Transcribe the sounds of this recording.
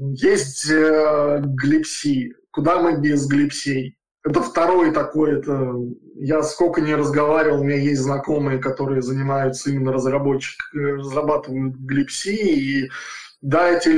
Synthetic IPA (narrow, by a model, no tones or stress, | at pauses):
jesʲtʲ | ɡlʲɪpsʲikʊd̪amɨbʲɪzɡlʲɪpsʲej | ɛt̪əft̪ɐɾo̞jt̪ɐko̞jɛt̪əjaskokənʲɪɾəzɡɐvaɾʲɪvəlˠmʲɪnʲejesʲtʲznɐko̞mɨjəkɐt̪o̞ɾɨjəzənʲɪmajʊt̪səimʲɪnːəɾəzrɐbo̞t͡ɕːɪ̥krəzrɐbat̪ɨvəjʊt̪̚ɡlʲɪpsʲiː | d̪aɛtʲɪ